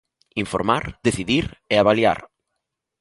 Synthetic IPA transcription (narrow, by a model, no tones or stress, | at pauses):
iɱfoɾmaɾd̪eθiðiɾɛaβalja̰ɾ